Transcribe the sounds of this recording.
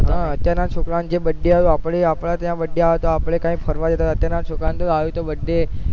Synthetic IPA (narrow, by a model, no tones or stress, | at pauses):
ɦãət̪jaɾnaʃokɾand͡ʒebəɖːeat̪oapɭeapɭat̪jãbəɖːeaʋet̪oapɭ̃ekãĩkpʰəɾʋad͡ʒət̪aət̪jaɾnat̪ʃokɾant̪oaʋet̪obəɖːe